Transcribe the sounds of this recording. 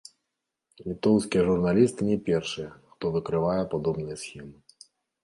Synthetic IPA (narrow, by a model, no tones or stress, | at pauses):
lʲit̪ɔwskʲijɐʐurnalʲist̪ɨnʲɛpʲɛrʂɨjɐxt̪ɔvɨkɾɨvajɛpad̪ɔbnɨjɐsʲxʲɛmɨ